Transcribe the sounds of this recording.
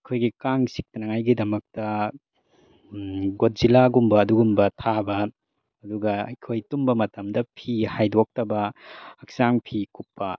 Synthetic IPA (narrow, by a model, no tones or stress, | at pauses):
ɐjkʰojɡikaŋsik̚tɐnɐŋajɡidɐmɐk̚tɐ | ɡot̚z̥ilaɡumbɐːduɡumbɐtʰabɐ | ɐduɡɐjkʰojtumbɐmɐtɐmdɐpʰihajdok̚tɐbɐɐk̚saŋpʰikupːɐ